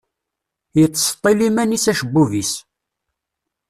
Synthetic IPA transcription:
jət͡sːst̪ˤːelimænisæʃəbːuvis

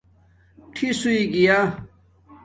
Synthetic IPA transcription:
ʈʰisuiɡija

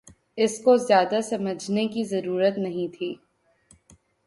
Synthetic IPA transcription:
ɪskozjaːd̪asɐməd͡ʒʱnekizɐɾuːɾət̪nɐɦĩt̪ʰiː

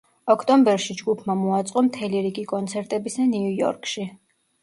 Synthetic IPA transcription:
ɔkʰt̪ʼɔmbɛɾʃid͡ʒɡupʰmamɔat̪sʼqʼɔmt̪ʰɛliɾiɡikʼɔnt̪sʰɛɾt̪ʼɛbisaniujɔ̰ɾkʰʼʃi

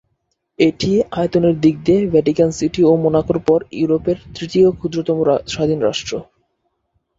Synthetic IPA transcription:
eʈiaet̪oneɾd̪iɡ̚d̪evɛʈikansiʈiomonakoɾpɔɾjṵɾopeɾt̪ɾit̪iokʰud̪ɾot̪ɔmoʃad̪ʱinoɾa̰ʃʈɾo

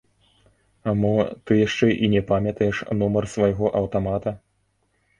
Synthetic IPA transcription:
amɔt̪ɨjaʂt͡ʂɛʔinʲɛpamʲɐt̪ɐjɛʂnumɐrsvajɣɔʔɐwt̪amat̪ɐ

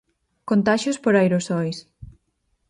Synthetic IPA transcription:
kont̪aʃospoɾajɾosɔjs

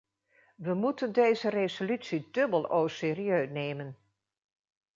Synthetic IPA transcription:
ʋəmutəndejzərezolytsidɵbəlˠowsɪːriøɥnejmən

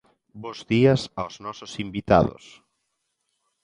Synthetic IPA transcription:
bozðiasawznɔsosimbit̪a̰ðʊ̰s

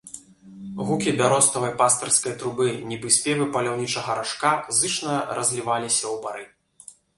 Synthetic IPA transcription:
ɣukʲibʲaɾɔst̪ɐvɐjpast̪ɐrskɐjɐt̪ɾubɨnʲibɨsʲpʲɛvɨpɐlʲawnʲit͡ʂɐɣɐɾaʂkazɨt͡ʂnɐɾʔɐzʲlʲivalʲisʲɐwbaɾɨ

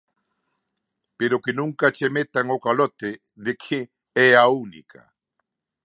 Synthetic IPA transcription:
peɾʊkenũŋkat͡ʃemet̪aŋokalɔt̪ɪ | ðekʰɪ | ɛaunḭkʰa̰

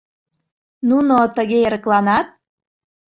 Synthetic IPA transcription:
nunot̪əɣeeɾəklɑnɑt̪̚

